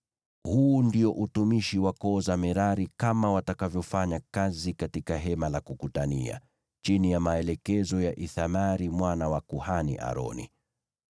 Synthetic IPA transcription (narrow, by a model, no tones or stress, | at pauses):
huːndiɔʔutumiʃiwakɔːzamɛɾaɾikamawatakavjɔfaɲakazikatikaɦɛmalakukutania̰ | t͡ʃinijamaɛlɛkɛzɔjaʔiθamaɾimwanawakuhanḭʔa̰ɾɔ̰nḭ